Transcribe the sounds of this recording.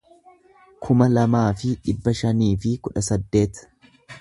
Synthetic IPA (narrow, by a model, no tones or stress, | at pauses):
kʰʊmɐlɐmaːfɪᶑɪbːɐʃɐniːfɪkʊᶑɐsɐd̪ːe̞ːt̪